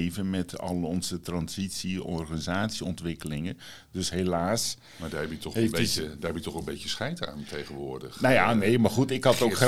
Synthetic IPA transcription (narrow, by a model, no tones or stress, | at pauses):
vənmɛtʰɑ̰lˠɔnzətrɑnzitsiɔrχanizaːtsiɔntʋɪkəlɪŋə | døsɦelaːs | maːdaːɛpjətɔχədaːɹɛpjətɔχənbejcəsχɛjta̰ːntʰejχənʋʊːɹdə̰χnajanejmaɹχutɪkhɑtowkχ